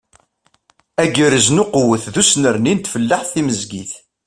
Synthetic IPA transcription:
æɡəɾəznʊqwəθðusnəɾnint̪fəlːaħθiməzɡḭθ

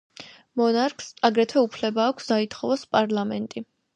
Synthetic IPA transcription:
mɔnaɾkʰʼsaɡɾɛt̪ʰwɛupʰlɛbaːkʷʰsd̪ait̪ʰχɔvaspʼaɾlˠamɛnt̪ʼi

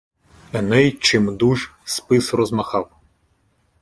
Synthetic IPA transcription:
ɐnɛjt͡ʃɪmd̪uʒspɪsrɔzmɐxɑw

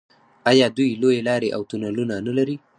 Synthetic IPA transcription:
ɑjɑd̪ujlojelɑɾeʔawt̪unalunanalaɾi

